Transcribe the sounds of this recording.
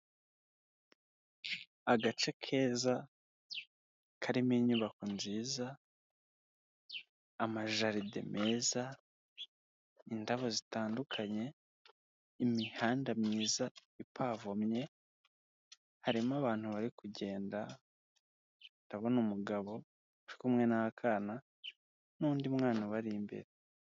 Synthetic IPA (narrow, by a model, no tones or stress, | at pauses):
aɡat͡ʃe̞kʰe̞ːza | kʰaɾimiɲuβako̞nziːza | maʒaɾidḛme̞ːza | indaβo̞zitaːndukʰaɲe̞ | imihaːndamɲiːzaipʰaːvomɲe̞ | haɾimaβaːn̥huβaɾikuɟe̞ːnda | ndaβo̞numuɡaβo̞ | uɾikumŋe̞nahakʰana | nuːndiumŋaːnaβaɾimbḛɾe